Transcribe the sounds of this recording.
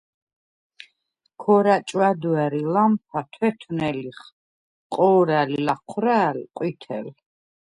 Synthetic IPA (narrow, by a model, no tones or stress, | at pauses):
kʰɔɾat͡ʃʼwad̪uaɾilampʰat̪ʰwɛt̪ʰunɛliχ | qʼɔːɾalilaqʰɾaːlqʼwit̪ʰɛ̰l